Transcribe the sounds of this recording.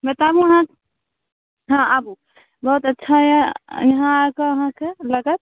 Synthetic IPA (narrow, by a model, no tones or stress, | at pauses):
mɛt̪abũəɦãk | ɦãʔabu | bəɦut̪ətːʃʰajɛjɐɦãkeəɦãkeləɡət̪̚